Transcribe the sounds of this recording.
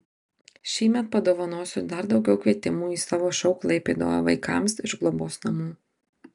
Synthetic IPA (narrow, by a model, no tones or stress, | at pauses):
ʃʲiːmʲɛt̪̚pɐd̪oːʋɐnoːsʲʊd̪ɐɾd̪ɒʊɡʲɛʊkʋʲiɛt̪ʲɪmuːiːsɑːʋoːʃɐʊklˠɐɪpʲeːd̪o̰ːɐ̰ʋɐ̰ɪkɑ̰ˑmsɪʒɡlˠoboːsnɐmuː